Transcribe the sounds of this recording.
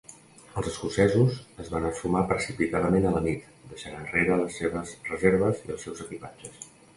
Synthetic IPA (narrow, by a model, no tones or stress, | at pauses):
əlˠzəskusɛzuzəzβanəfumapɾəsipit̪aðəmenələnit̪ | d̪əʃanənreɾələsːeβəzrəzeɾβəziəlˠsɛwzəkipad͡ʒəs